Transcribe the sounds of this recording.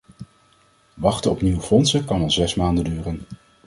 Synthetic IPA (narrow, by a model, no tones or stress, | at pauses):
ʋɑχtəɔpniwəfɔnsəkɑnɑlˠzɛsmaːndəndyːrən